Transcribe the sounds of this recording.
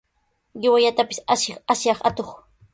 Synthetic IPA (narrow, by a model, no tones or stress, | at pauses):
ɢɪwaʎat̪apɪ̥saʃɪχasjɑχat̪oχ